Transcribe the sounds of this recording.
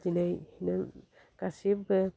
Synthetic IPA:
d͡ʒinajhinaŋ | kasibɛ

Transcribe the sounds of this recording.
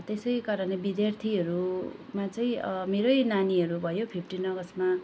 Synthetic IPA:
t̪esʌjkʌɾʌnebid̪jart̪ʰiɦʌɾumat͡sʌĩmeɾʌjnaniɦʌɾubʱʌjopʰipʰʈinʌɡʌsma

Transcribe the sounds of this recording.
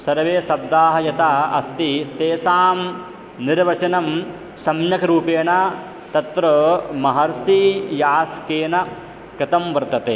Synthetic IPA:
sɐɾʋeːsɐb̚d̪aːɦɐjɐt̪aːɐ̰st̪it̪eːsaːm | niɾʋɐt͡ʃɐnɐm | sɐmjɐkɐɾuːpeːna | t̪ɐt̪ɾɐmɐɦɐɾsijaːskeːnɐ | kɾɪt̪ɐmʋɐɾt̪ɐt̪eː

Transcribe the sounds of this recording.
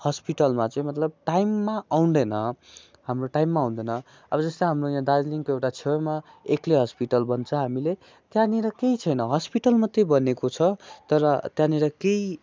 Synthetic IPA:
hʌspiʈʌlmat͡sʌj̃mʌt̪lʌb̚ʈajmːaawnd̪ʌjnʌ | hamroʈajmːaũnd̪ʌnʌ | ʌbʌd͡zʌst̪ʌɦamrojãd̪ad͡zliŋkoewʈat͡sʰema | ekleɦʌspiʈʌlbʌnt͡sʰʌɦamile | t̪janiɾʌkeit͡sʰʌjnʌɦʌspiʈʌlmʌt̪ːejbʌnekot͡sʰʌt̪ʌɾʌt̪jãniɾʌkei

